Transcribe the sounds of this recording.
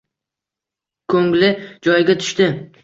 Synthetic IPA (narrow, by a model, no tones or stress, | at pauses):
kʰɵŋlɪd͡ʒɒjɪɡʲat̪ʰʊ̥ʃt̪ɪ